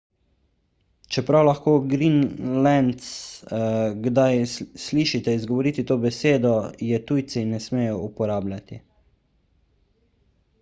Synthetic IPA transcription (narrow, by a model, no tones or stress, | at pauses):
t͡ʃɛpɾawlaxkoːɡɾinlɛnt̪s | ɡd̪ajsliːʃit̪ɛizɡɔʋɔɾiːt̪it̪oːbɛseːd̪ɔjɛt̪ujt̪sinɛsmeːjɔupɔɾaːblʲat̪i